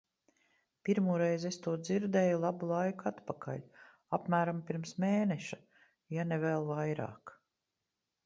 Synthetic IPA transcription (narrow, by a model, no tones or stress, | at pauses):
piɾmuːɾejzest̪uɔd̪ziɾd̪eːjulˠabulˠajkat̪pakʰa̰ʎʲ | apmæːɾampiɾmsmeːneʃa | janevɛlˠvajɾa̰ːk